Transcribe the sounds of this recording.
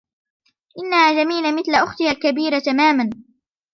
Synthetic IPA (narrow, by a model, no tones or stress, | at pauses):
ʔɪnːahaːd͡ʒamiːlamɪθlaʔʊxt̪ɪhalkabiːɾat̪amaːman